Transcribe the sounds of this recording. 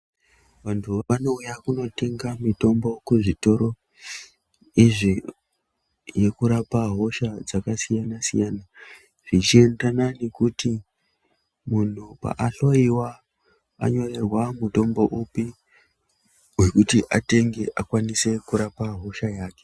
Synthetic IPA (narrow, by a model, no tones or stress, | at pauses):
ʋantʰuano̞ujakuno̞te̞ŋɡamito̞mbo̞kuʐito̞ɾo̞ | iʐi | je̞kuɾapaɦo̞ʃad͡zakasijanasḭjana | ʐ̥it͡ʃie̞ndanane̞kuti | mun̤upa̰ʔaɬo̞iwa | a̰ɲo̞re̞rwamuto̞mbo̞ʔupi | we̞kutiʔate̞ŋɡe̞ʔakwanise̞kuɾapaɦo̞ʃajaːke̥